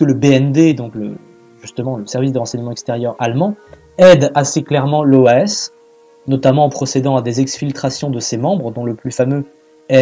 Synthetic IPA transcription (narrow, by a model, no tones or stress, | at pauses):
ələbeɛnd̪ed̪ɔ̃klə | ʒ̥yst̪əmɑ̃ləsɛʁvis̬d̪əʁɑ̃sɛɲəmɑ̃ɛkst̪eʁjœʁalmɑ̃ | ɛd̪aseklɛʁmɑ̃loɛs | nɔt̪amɑ̃ɑ̃pχɔsed̪ɑ̃ad̪ezɛksfilt̪χasjɔ̃d̪əsemɑ̃bʁəd̪ɔ̃ləplyfamø | ɛ